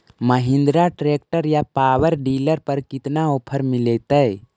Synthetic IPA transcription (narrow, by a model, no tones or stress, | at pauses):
məɦĩnd̪ɾaʈɾeːk̚ʈəɾjapaːʋəɾɖiːləɾpəɾkɪt̪naoːpʰəɾmilet̪əj